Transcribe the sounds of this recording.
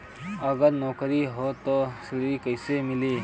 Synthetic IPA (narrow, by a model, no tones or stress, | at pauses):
ɐɡəɾnɔːkɾiɦoːt̪oːsɪɽikəɪsemɪliː